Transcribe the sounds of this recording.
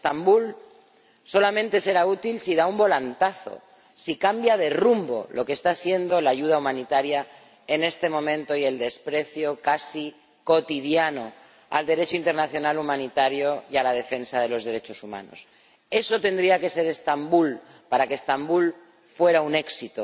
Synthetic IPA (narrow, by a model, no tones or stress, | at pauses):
est̪ambul | so̞lamẽnt̪e̞se̞ɾaut̪ilsiðaumbo̞lant̪aθo̞̰ | sikambjað̞e̞rumbo̞̰lo̞kest̪asje̞nd̪o̞laːʝuð̞aumãnit̪aɾja | e̞ne̞st̪e̞mõ̞mẽ̞nt̪o̞ie̞ld̪e̞spɾe̞θjo̞kasi | ko̞t̪iðjano̞ | a̰ld̪e̞ɾe̞t͡ʃoint̪eɾnaθjo̞nalumãnit̪aɾjo̞jalað̞e̞fe̞nsað̞e̞lo̞zðe̞ɾe̞t͡ʃo̞suma̰no̞̰s | e̞so̞t̪e̞nd̪ɾiake̞se̞ɾe̞st̪ambul | paɾakest̪ambul | fwe̞ɾaune̞ksit̪o